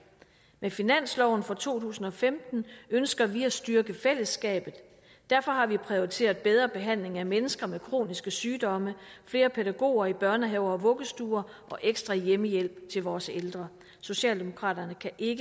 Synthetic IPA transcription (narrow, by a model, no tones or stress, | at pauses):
mefinæn̰slɒʊn̩fɒ̽t͡sʰo̝̰ːt͡sʰṵːsn̩ɒ̽femd̥n̩ønsɡ̥ɐʋiæsd̥yɐɡ̥əfel̰əsɡ̥ɛ̰ːb̥ð̩ˠ | d̥æɐfɒ̽ɦɑ̈ʋipʰʁio̝ʁit͡sʰe̝̰ːɐðˠb̥eð̞ˠʁɐb̥e̝ɦæn̰le̝ŋæmenəsɡ̥ɐmekʰʁo̝̰ːnisɡ̥əsyːd̥ɒ̽məfle̝ːɐpʰeɾæɡ̥o̝̰ːɐib̥ɶɐnəɦɛʊ̰ɐɒ̽ʋɔ̽ɡ̥əsd̥uːɐʔɒ̽ʔeɡ̥sd̥ʁɑ̈jeməjel̰b̥t͡sʰe̝lʋɒːseld̥ʁɐ | so̝ɕɛ̰ːld̥e̝mo̝kʰʁɑ̰̈ːd̥ɐnəkʰæʔe̝ɡ̥ə